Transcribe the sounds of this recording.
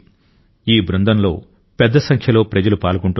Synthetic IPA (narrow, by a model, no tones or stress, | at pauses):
iːbɾund̪ɐnlo̞ː | pɛd̪ːɐsɐŋkʰjɐlo̞ːpɾɐd͡ʒɐlupaːɭkuɳʈu